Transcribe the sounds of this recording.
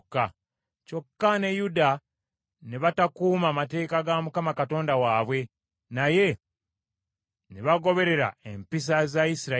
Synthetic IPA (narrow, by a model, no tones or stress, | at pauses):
kːa | co̞kːane̞juda | neβatakuːmaːmate̞ːkaɡamukamakato̞ːndawaːβwe̞ | naje̞ | neβaɡo̞βe̞ɾe̞ɾa̰e̞mpis̬azaisiɾa